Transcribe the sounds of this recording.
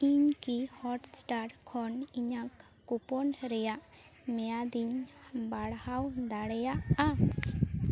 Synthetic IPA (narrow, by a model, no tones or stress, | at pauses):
iɲkihɔʈsʈaɾkʰɔniɲakː | upɔnɾɛjaʔ | mɛjad̪iɲbaɽhawd̪aɽɛjaʔa